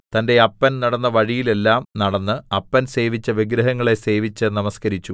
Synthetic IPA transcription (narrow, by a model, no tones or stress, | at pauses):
t̪ɐnde̞ɐpːɐnnɐɽɐnːɐʋɐɻijile̞lːaːmnɐɽɐnːɨɐpːɐnse̞ːʋit͡ɕːɐʋiɡɾɐɦɐŋːɐɭe̞se̞ːʋit͡ɕːɨnɐmɐskɐɾit͡ɕːu